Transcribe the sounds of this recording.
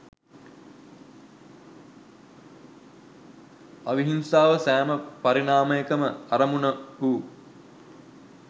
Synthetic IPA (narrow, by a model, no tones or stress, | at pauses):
aʋiɦinsaːʋəsæːməpaɾinaːməjekəməaɾəmunəuː